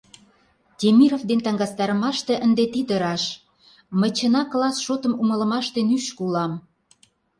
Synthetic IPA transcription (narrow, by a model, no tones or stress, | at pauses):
t̪ʲemiɾovd̪ent̪ɑŋɡɑst̪ɑɾə̆mɑʃt̪eʔənd̪et̪id̪əɾɑʃ | mə̆t͡ɕə̆nɑklɑsʃot̪ə̆mumə̆lə̆mɑʃt̪enyʃkulɑm